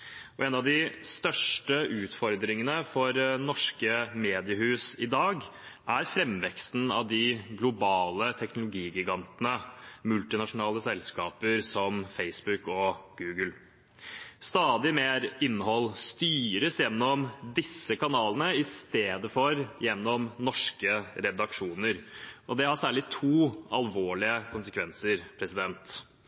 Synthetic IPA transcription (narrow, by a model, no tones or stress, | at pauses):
ɔɛːnɑʋd̪ɪst̪œʂʈəʔʉːt̪fɔɾd̪ɾɪŋənəfɔɾnɔʂkəmeːd̪ɪəhʉːsɪd̪ɑːɡ | ʔæɾfɾɛmʋɛkst̪n̩ɑ̰ʋd̪ɪɡlʊbɑːlət̪ʰɛknʊlʊɡiːɡɪɡɑnt̪nəmʉlt̪ɪnɑʂʊnɑːləsɛlskɑːpəɾsɔmfeɪsbʉkɔɡ̥ʉːɡəl | st̪ɑːd̪ɪmeːɾɪnːəɦhɔlːst̪yːɾəsjɛnːɔmd̪ɪsːəkʰɑnɑːlənəɪst̪eːd̪əfɔɾjɛnːɔmnɔʂkəɾɛd̪ɑkʂuːnəɾʔɔd̪ɛhɑsæːɭɪt̪ʰuːɑlʋoːɭɪəkʰʊnsəkʰʋɛnsəɾpʰɾɛsɪd̪ɛnt̪